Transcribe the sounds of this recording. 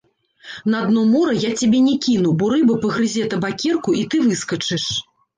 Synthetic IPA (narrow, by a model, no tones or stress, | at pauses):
nɐad̪nɔmɔɾɐjat͡sʲabʲɛnʲɛkʲinubɔɾɨbɐpɐɣɾɨzʲɛt̪ɐbakʲɛrkuit̪ɨvɨskɐt͡ʂɨʂ